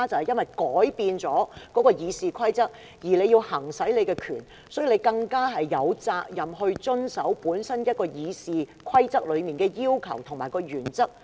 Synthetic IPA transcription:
t͡sɐ˨whɐ˨jɐ˥nwɐ˨jkɔː˨˥jpiː˧nt͡sɔː˨˥kɔː˨˥kɔː˧jiː˨˧siː˧kʰɐ˥jt͡sɐ˥k̚ | jiː˨˩le˨˧jiː˧whɐ˨˩ŋsɐ˨˥jle˨˧jkɛː˧kʰyː˨˩n | sɔː˨˥jle˨˧jkɐ˧ŋkaː˥ɦɐ˨jːɐ˨˧wt͡saː˧k̚jɐ˨mɦɵ˧ɥt͡ʃɵ˥nsɐ˨˥wpuː˨˥nsɐ˥njɐ˥t̚kɔː˧jiː˨˧siː˧kʰwɐ˥jt͡sɐ˥k̚lɵ˨˧ɥmiː˨˩nkɛː˧jiː˥wkʰɐ˨˩wt̪ʰʊ˨˩ŋmaː˨˩jkɔː˧jyː˨˩nt͡sɐ˥k̚

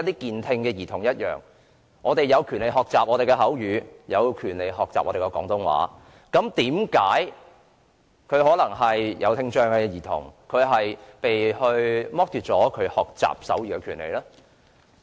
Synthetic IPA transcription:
ɐ˥t̪̚iː˥kiː˨nt̪ʰɪ˧ŋkɛː˧jiː˨˩t̪ʰʊ˨˩ŋjɐ˥t̚jœ̰ː˨˩ŋ | ʔɔː˨˧t̪e˨jːɐ˨˧wkʰyː˨˩nle˨jɦɔː˨k̚t͡saː˨p̚ʔɔː˨˧t̪e˨jkɛ˧ɦɐ˨˥wjyː˨˧jɐ˨˧wkʰyː˨˩nle˨jɦɔː˨k̚t͡sa̰ː˨p̚ʔɔː˨˧e˨˩kɛ˧kɔː˨˥ŋt̪ʊ˧˥ŋwa̰ː˨˥ | kɐ˨˥mt̪iː˨˥mkaː˨˥j | kʰɵ˨˧ɥɦɔː˨˥lɐ˨˩ŋɦɐ˨jjɐ˨˧wt̪ʰɪ˧ŋt͡ʃœː˧ŋkɛ˧jiː˨˩t̪ʰʊ̰˨˩ŋkʰɵ˨˧ɥɦɐ˨jpe˨jhɵ˧ɥmɔː˥k̚t̪yː˨t̚t͡sɔː˨˥kʰɵ˨˧ɥhɔː˨k̚t͡sa̰ː˨p̚sɐ̰˨˥wɥyː˨kɛ˧kʰyː˨˩nlḛ˨˩jlɛː˥

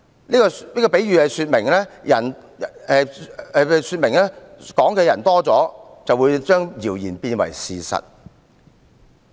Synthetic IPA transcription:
niː˥kɔ˧liː˥kɔː˧pe˨˥jɥyː˨hɐ˨˧jsyː˧t̚mɪ˨˩ŋlɛː˥jɐ˨˩n˨˧ | syː˧t̚mɪ˨˩ŋlɛː˥kɔː˨˥ŋkʰe˨˧jɐ˨˩nt̪ɔː˥t͡sɔː˨˥ | t͡sɐ˨wuː˨˧jt͡ʃœː˥ŋjiː˨˩wjiː˨˩npiː˧nwɐ̰˨˩jsiː˨sɐ̰˨t̚

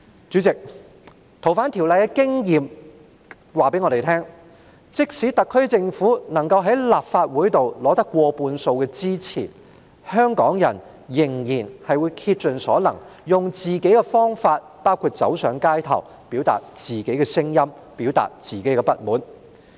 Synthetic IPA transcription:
t͡ʃyː˨˥t͡sɪ˨k̚ | t̪ʰo˨˩wfaː˨˥nt̪ʰi˨˩wlɐ˨jkɛ˧kɪ˥ŋjiː˨m | waː˨pe˨˥ŋɔː˨˧te˨jt̪ʰɛː˥ŋ | t͡sɪ˥k̚siː˨˥t̪ɐ˨kʰːɵ˥ɥt͡sɪ˧ŋfuː˨˥nɐ˨˩ŋkɐ˧wɦɐ˨˥jlaː˨p̚faː˧t̚wuː˨˥jt̪o˨wlɔː˨˥t̪ɐ˥kːʷɔː˧puː˧nso˧wkɛː˧t͡siː˥t͡sʰḭː˨˩ | hœː˥ŋkɔː˨˥ŋjɐ̰˨˩n | jɪ˨˩ŋjiː˨˩nhɐ˨jwuː˨˧jkʰiː˧t̚t͡ʃɵ˨nsɔ̰ː˨˥lɐ˨˩ŋjʊ˨ŋt͡siː˨ke˨˥jkɛ˧fɔː˥ŋfaː˧t̚paː˥wkʰuː˨˧t̚t͡sɐ̰˨˥wsœː˨˥ŋkaː˥jt̪ʰɐ̰˨˩w | piː˨˥wt̪a̰ː˨t̚t͡siː˨˩ke˨˥jkɛ˧sɪ˥ŋjɐ˥m | piː˨˥wt̪a̰ː˨˩t̚t͡siː˨˩ke˨˥jkɛ˧pɐ˥t̚muː˨˥n

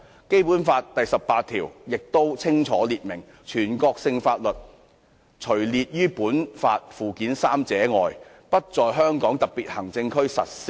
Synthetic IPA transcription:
ke˥jpuː˨˥nfaː˧tt̪ɐ˨jsɐ˨ppːaː˧t̪̚ʰiː˨˩wjɪ˨k̚t̪o˥wt͡sʰɪ˥ŋt͡sʰɔː˨˥liː˨t̚mɪ˨˩ŋ | t͡ʃʰyː˨˩nkɔː˧k̚sɪ˧ŋfaː˧t̚lɵ˨t̚ | t͡ʃʰɵ˨˩ɥliː˨t̚jyː˥puː˨˥nfa̰ː˧t̚fuː˨kiː˨˥nsaː˥mt͡sɛː˨˥ŋɔ̰ː˨j | pɐ˥t̚t͡sɔː˨jɦœː˥ŋkɔː˨˥ŋt̪ɐ˨k̚piː˨t̚hɐ˨˩ŋt͡sɪ˧ŋkʰɵ˥ɥsɐ̰˨t̚sɪ˥

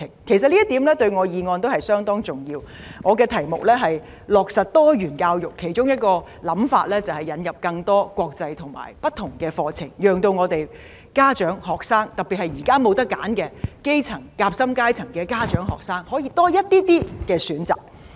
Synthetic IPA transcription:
ɪ˨˩ŋkʰe˨˩jsɐ˨t̚liː˥t̪iː˨˥mlɛː˥t̪ɵ˧ɥŋɔː˨˧jiː˨˧ŋɔː˧nt̪o˥whɐ˨jsœː˥ŋt̪ɔː˥ŋt͡sʊ˨˩ŋjiː˧wŋɔː˨˧kɛː˧t̪ʰɐ˨˩jmʊ̰˨k̚lɛː˥ɦɐ˨j | lɔː˨˩k̚sɐ˨t̚t̪ɔː˥ɥyː˨˩nkaː˧wjʊ˨kʰːe˨˩jt͡ʃʊ˥ŋjɐ˥t̚kɔː˧ | lɐ˨˥mfa̰ː˧t̚lɛː˥t͡sɐ˨whɐ˨jːɐ˨˧njɐ˨p̚kɐ˧ŋt̪ɔː˥kwɔː˧k̚t͡sɐ˧jt̪ʰʊ˨˩ŋma̰ː˨˩jpɐ˥t̪̚ʰːʊ˨˩ŋkɛː˧fɔː˧t͡sʰɪ̰˨˩ŋjœː˨˩ŋt̪o˧wŋɔː˨˧t̪e˨j | kaː˥t͡ʃœː˨˥ŋhɔː˨k̚saː˥ŋt̪ɐ˨pːiː˨t̚hɐ˨jjiː˨˩kaː˥mo˨˧wt̪ɐ˥kːa̰ː˨˥nkɛː˧ke˥jt͡sʰɐ˨˩ŋkaː˧p̚sɐ˥mkaː˥jt͡sʰɐ˨˩ŋkɛː˧kaː˥t͡ʃœ̰ː˨˥ŋɦɔ̰ː˨k̚saː˥ŋhɔː˨˥jiː˧t̪ɔː˥jɐ˥t̚t̪iː˥t̪iː˥kɛː˧syː˨˥nt͡sa̰ː˨p̚

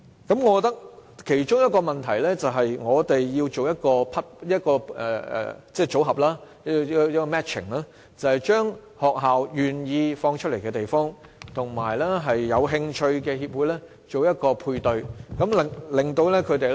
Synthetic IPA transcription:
kɐ˨˥mŋɔː˨˧kɔ˨˧t̪ɐ˥k̚kʰe˨˩jt͡ʃʊ˥ŋjɐ˥t̚kɔː˧mɐ˨˩nt̪ʰɐ˨˩jlɛː˥t͡sɐ˨wɦɐ˨jŋɔː˨˧t̪e˨jːiː˧wt͡so˨wjɐ˥t̚kɔː˧pʰɐ˥t̚jɐ˥t̚kɔː˧ɛː˨ɛ̰ː˨˩t͡sɛː˥˩t͡so˨˥wɦɐ˨p̚laː˥˧˥ | jɐ˥t̚kɔː˧mɛː˥t̚t͡ʃʰɪ̰˨˩ŋlaː˥ | t͡sɐ˨˩hɐ˨jt͡ʃœː˥ŋ | hɔː˨k̚ɦaː˨wjyː˨˩njiː˧fɔː˧ŋt͡ʃʰɵ˥le˨˩kɛː˧t̪e˨jfɔː˥ŋt̪ʰʊ˨˩ŋmaː˨˩jlɛ˥ɦɐ˨jːɐ˨˧wɦɪ˧ŋt͡ʃʰɵ˧ɥkɛː˧hiː˧p̚wuː˨˥jlɛː˥ | t͡ʃo˨wjɐ˥t̚kɔː˧pʰuː˧jt̪ɵ˨˧ɥkɐ˨˥mlɪ˨ŋlɪ˨ŋt̪o˧wlɛ˥kʰɵ˨˧ɥt̪e˨

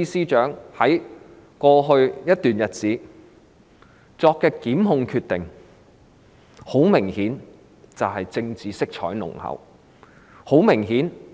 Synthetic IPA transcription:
i˥siː˥t͡ʃœː˨˥ŋhɐ˨˥j | kɔː˧ɦɵ˧ɥjɐ˥t̚t̪yː˨njɐ˨t̚t͡siː˨˥ | t͡sɔː˧kːɛː˧kiː˨˥mɦʊ˧ŋkʰyː˧t̚t̪ɪ˨ŋ | ho˨˥wmɪ˨˩ŋhiː˨˥n | t͡sɐ˨wɦɐ˨jt͡sɪ˧ŋt͡siː˨˩sɪ˥k̚t͡ʃʰɔ̰ː˨˥jnʊ̰˨˩ŋhɐ̰˨˩w | ho˨˥wmɪ˨˩ŋɦiː˨˥n

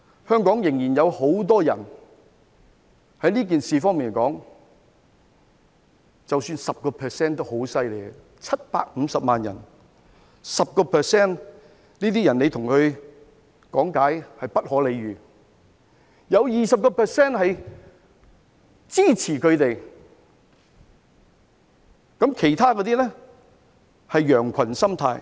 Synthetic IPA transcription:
hœː˥ŋkɔː˨˥ŋjɪ˨˩ŋjiː˨˩njɐ˨˧who˨˥wt̪̬ɔː˥jɐ̰˨˩n | hɐ˨˥jliː˥k̬iː˨nsiː˨fɔː˥ŋmiː˨n˨˩kɔː˨˥ŋ | t͡sɐ˨wsyː˧nsɐ˨p̚kɔː˧pʰɛː˨sɛː˥˩nt̪o˥wɦo˨˥wsɐ˥jle˨˩j | t͡sʰɐ˥t̚pa̰ː˧k̚m̩ː˨˧sɐ˨p̚maː˨njɐ̰˨˩n | sɐ˨p̚kɔː˧pʰɛː˨sɛː˥˩n | liː˥t̪iː˥jɐ˨˩nle˨˧jt̪ʰʊ˨˩ŋkɵ˨˧ɥ | kɔː˨˥ŋkaː˨˥jhɐ˨jpɐ˥t̚hɔː˨˥le˨˧jɥyː˨ | jɐ˨˧wjiː˨˩sɐ˨p̚kɔː˧pʰɛː˨sɛː˥˩nhɐ˨j | t͡siː˥t͡sʰiː˨˩kʰɵ˨˧ɥt̪e˨j | kɐ˨˥mkʰe˨˩jt̪ʰaː˥kɔː˨˧t̪̬iː˥nɛ˥ | hɐ˨jjœː˨˩ŋkʰɐ˨˩nsɐ˥mt̪ʰaː˧j

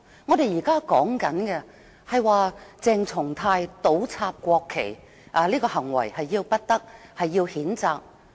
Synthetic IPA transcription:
ŋɔː˨˧ɾe˨˧jiː˨˩kaː˥kɔː˨˥ŋkɐ˨˥nkɛ˧ | hɐ˨jwaː˧t͡sɛː˨˧ŋt͡sʰʊ˨˩ŋt̪ʰaː˧jt̪o˨˥wt͡sʰaː˧p̚kʷɔː˧kʰːḛ˨˩j | ʔa˨˧liː˥kɔː˧hɐ˨˩ŋwɐ̰˨˩jhɐ˨jːiː˧wpɐ˥t̚t̪ɐ˥k̚hɐ˨jːiː˧whiː˨˥nt͡saː˧k̚

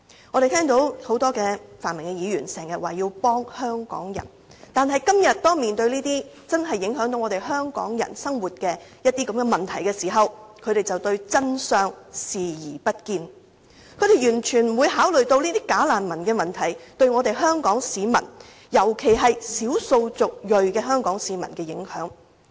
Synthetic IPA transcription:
ŋɔː˨˧ɾe˨jt̪ʰɛː˥ŋt̪o˨˥who˨˥wt̪ɔː˥kɛː˧faː˨˩nmɪ˨˩ŋkɛ˧jiː˨˧jyː˨˩nsɛː˨˩ŋjɐ˨t̚waː˨˩jiː˧wpɔː˥ŋhœː˥ŋkɔ̰ː˨˥ŋjɐ̰˨˩n | t̪aː˨nɦɐ˨jkɐ˥mjɐ˨t̚t̪ɔː˥miː˨nt̪ɵ˧ɥliː˥t̪iː˥ | t͡sɐ˥nɦɐ˨jːɪ˨˥ŋɦœː˨˥ŋt̪o˨˧wŋɔ˨˧e˨jɦœː˥ŋkɔ̰ː˨˥ŋjɐ̰˨˩nsɐ˥ŋwuː˨˩t̚kɛː˧jɐ˥t̚t̪iː˥kɐ˨˧˥mɡɛː˧mɐ˨nt̪ʰɐ˨˩jkɛː˧siː˨˩ɦɐ˨wkʰɵ˨˧ɥɾe˨jt͡sɐ˨wt̪ɵ˧ɥt͡sɐ˥nsœː˨ŋsiː˨jiː˨˩pɐ˥t̚kiː˧n | kʰɵ˨˧ɥɾe˨jɥyː˨˩nt͡ʃʰyː˨˩nm˨wuː˨˧jɦaː˨˥wlɵ˨ɥt̪o˧wliː˥t̪iː˥kaː˨˥laː˨nmɐ˨˩nkɛː˧mɐ˨˩nt̪ʰɐ˨˩jt̪ɵ˧ɥŋɔː˨˧t̪e˨jɦœː˥ŋkɔː˨˥ŋsiː˨˧mɐ̰˨˩n | jɐ˨˩wkʰe˨˩jɦɐ˨jsiː˨˥wso˧wt͡sʊ˨k̚jɵ˨ɥkɛː˧ɦœː˥ŋkɔː˨˥ŋsiː˨˧mɐ̰˨˩nkɛː˧jɪ˨˥ŋhœː˨˥ŋ

